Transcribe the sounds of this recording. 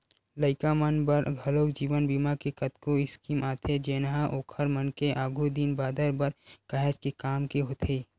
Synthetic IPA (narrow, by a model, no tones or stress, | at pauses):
ləɪkamənbəɾɡʱɐloːkd͡ʒiːʋənbimakekɐt̪koɪskimaːt̪ʰed͡ʒeːnɦaʔoːkʰəɾmənkeʔaːɡʱud̪inbaːd̪əɾbəɾkəɦɛd͡ʒkekaːmkeɦoːt̪ʰeː